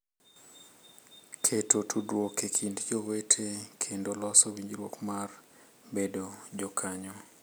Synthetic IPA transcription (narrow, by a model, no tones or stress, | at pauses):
kʰetotʰudwokekʰindd͡ʒowetʰekʰendolɔsɔwiɲd͡ʒɾwokmar | bedod͡ʒɔkʰaɲɔ